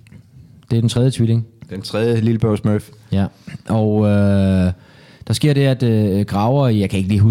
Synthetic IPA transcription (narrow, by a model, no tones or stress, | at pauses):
d̥e̝æɐd̥ent͡sʰʁɛðˠjət͡sʰʋile̝ŋd̥ent͡sʰʁɛðˠjəliləb̥œʊsmøfjæʔɒʊø | d̥ɑ̈sɡ̥e̝ɐ̰ɾ̥e̝æd̥ɡ̥ʁɑ̈ʊɐijɑ̈ɪkʰæe̝ɡ̥əliːɦu